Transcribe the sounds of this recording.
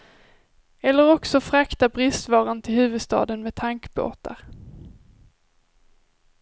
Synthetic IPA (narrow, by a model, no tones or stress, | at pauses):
ɛlːəɾɔksɔfɾakt̪abɾɪst̪vɑːɾant̪ʰɪlhʉ̟ːvɵd̪st̪ɑ̰ːd̪ənmɛt̪ʰaŋkbo̰ːt̪a̰ɾ